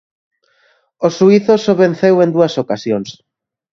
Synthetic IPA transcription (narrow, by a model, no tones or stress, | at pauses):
osuiθosoβẽnθewend̪uɐsokasjoŋs